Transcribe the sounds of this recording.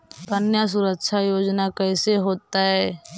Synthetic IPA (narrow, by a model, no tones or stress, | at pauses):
ənjas̬uɾəkʃʰajoːd͡ʒnakɛːseɦoːt̪aɦɛː